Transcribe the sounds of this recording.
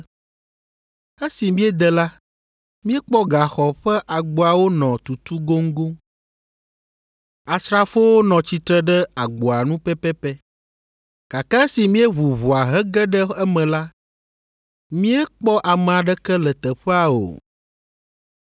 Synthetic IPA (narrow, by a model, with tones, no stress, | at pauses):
e˦si˨mĩ˦ɛ˦d̪ɛ˨la˦ | mĩ˦ɛ˦k͡pɔ˦ɡa˨xɔ˨ɸɛ˦ʔa˨ɡ͡bo˨a˨wo˦nɔ̃˨t̪u˨t̪u˦ɡo˦ŋ˦ɡo˦ | a˨sɾa˦fo˦wo˦nɔ̃˨t͡ɕi˦t̪ɾə˦ɖɛ˦a˨ɡ͡bo˨a˨nũ˦pɛ˦pɛ˦pɛ˦ | ka˨ka˦si˨mĩ˦ɛ˦βu˨βu˨a˨ɦɛ˦ɡɛ˦ɖɛ˦ɛ˦mɛ̃˨la˦ | mĩ˦ɛ˦k͡pɔ˦ʔa˨mɛ̃˨a˨ɖɛ˦kɛ˦lə˨t̪ə˨ɸɛ˦a˨o̰˨